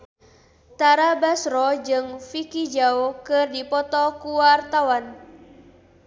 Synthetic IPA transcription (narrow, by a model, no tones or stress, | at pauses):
t̪aɾabasɾɔd͡ʒɨŋfikid͡ʒaokɨrdipɔt̪ɔkuwart̪awan